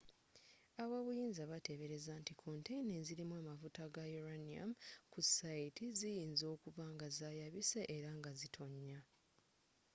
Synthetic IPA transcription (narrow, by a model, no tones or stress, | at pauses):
aβaβujiːnzaβate̞βe̞ɾe̞zantikʰo̞ntejineziɾimwaːmafutaɡajoɾania̰mkusaitizijiːnzo̞ːkuvaŋɡazaːjaβise̞ʔeɾaŋɡazitʰo̞ɲːa